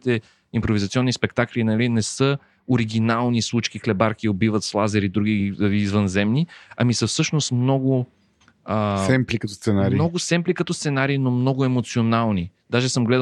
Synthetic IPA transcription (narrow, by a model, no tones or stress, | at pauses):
it̪ɛ | impɾovizɐt̪siɔnːispɛkt̪aklinɐlinɛsɤ | oɾiɡʲinalˠnislˠut͡ʃk̟ixlɛbaɾkiobivət̪slˠazɛɾid̪ɾuɡiizvənzɛmniɐmisəfsɤʃnost̪mnɔɡʊ | əsɛmplikɐt̪ɔst̪sɛnaɾinɔɡʊssɛmplikɐt̪ɔst̪sɛnaɾiːnomnɔɡʊɛmot̪sionalˠnid̪̥aʒɛsəmɡlɛ